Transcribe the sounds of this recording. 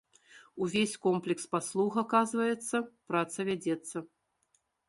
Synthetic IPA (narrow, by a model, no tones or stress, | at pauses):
uvʲesʲkɔmplʲɛkspaslˠuɣakazvɐjɛt̪sːɐpɾat̪sɐvʲad͡zʲɛt̪sːɐ